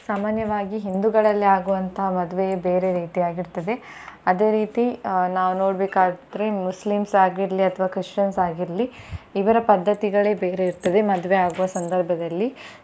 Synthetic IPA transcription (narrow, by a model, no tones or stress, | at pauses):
saːmaːnjɐʋaːɡiɦind̪uɡɐɭɐlːiaːɡuʋɐnt̪ʰɐɦɐmɐd̪ʋejebe̞ːɾe̞ɾiːt̪ijaːɡiɾt̪ɐd̪e̞ɐd̪e̞ːɾiːt̪inaːʋuno̞ːɽbeːkaːd̪d̪ɾemuslimsaːɡiɾɐliɐt̪ʰɐʋaːkɾiʂʈɐnsaːɡiɾɐliiʋɐɾɐpɐd̪ʱːɐt̪iɡɐɭe̞ːbeːɾeiɾt̪ɐd̪e̞mɐd̪ʋeaːɡuʋɐsɐnd̪ɐɾbʱɐd̪ɐlːi